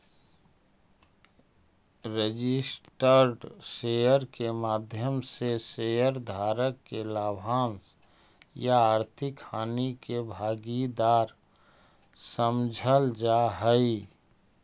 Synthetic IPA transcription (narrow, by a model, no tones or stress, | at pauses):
ɾed͡ʒɪsʈəɾɖsejəɾkemaːd̪ʱjəmsesejəɾd̪ʱaːɾəkːelaːbʱaːns | jaaːɾt̪ʰɪkhaːnikebʱaːɡid̪aːɾ | səmd͡ʒʱəld͡ʒaɦəi